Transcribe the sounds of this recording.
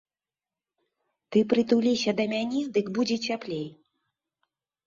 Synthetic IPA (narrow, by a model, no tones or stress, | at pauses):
t̪ɨpɾɨt̪ulʲisʲɐd̪ɐmʲanʲɛd̪ɨɡbud͡zʲɛt͡sʲaplʲej